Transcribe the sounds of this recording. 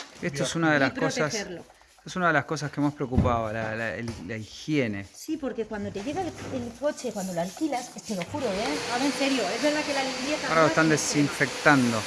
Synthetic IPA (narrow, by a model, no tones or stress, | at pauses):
est̪oesunaðelaskkosaseɾlo | et̪oesunaðelasko̞s̬askeemaspɾeokupaβalalaellaixjene̞̰sipo̞ɾke̞kwand̪o̞t̪e̞ʝe̞ɣaelelko̞t͡ʃe̞kwand̪o̞loalkilasest̪eloxuɾoeaβẽnseɾjoezβe̞ɾðakelalijet̪aoɾaloest̪and̪esiɱfekt̪and̪o